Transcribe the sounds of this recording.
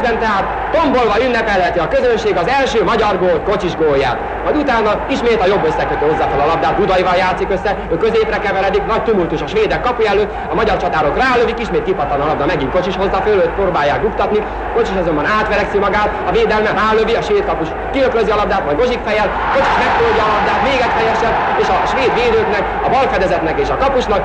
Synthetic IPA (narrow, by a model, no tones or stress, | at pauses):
bɛnt̪ɛɦaːt̪ːo̞mbo̞lvɒynːɛpɛlɛt̪iɒkø̞zønʃeːɡɒzɛlʃøːmɒɟɒrɡoːlt̪kot͡ʃiʒɡoːjːa̰ːt̪ | mɒjd̪ut̪aːnːɒiʃmeːt̪ɒjo̞bːøsːɛkøt̪øːho̞zːaːfølɒlɒb̚d̪aːt̪̚bud̪ɒjivɒljaːt̪sikøsːɛøːkø̞zeːprɛkɛvɛɾɛd̪iknɒc̚t̪umult̪uʃɒʃʋeːd̪ɛkːɒpujɛløːt̪ | ɒmɒɟɒrt͡ʃɒt̪aːɾokraːløvikiʃmeːt̪kipɒt̪lɒnɒlɒbd̪ɒmɛɡiŋko̞t͡ʃiʃho̞zːaføløːt̪proːbaːjːaːkukt̪ɒt̪ni | ko̞t͡ʃiʃɒzo̞mbɒnaːt̪ʋɛɾɛksimɒɡaːt̪ɒveːd̪ɛlmɛraːløviɒʃʋeːt̪kɒpuʃ | kiløkløziɒlɒbd̪aːt̪mɒjɡo̞ʒikfɛjɛl | ko̞t͡ʃiʃmɛk̚t̪olɟɒːlɒb̚d̪aːt̪meːɡɛcfɛjɛʃɛd̪ | eːʃɒʃʋeːd̪ʋeːd̪øːknɛk | ɒbɒlfɛd̪ɛzɛt̪nɛkeːʃɒkɒpuʃnɒk